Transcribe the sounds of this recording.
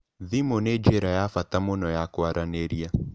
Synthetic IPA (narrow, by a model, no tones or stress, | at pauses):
ðimoned͡ʒeɾajafatamonɔjakoaɾaneɾia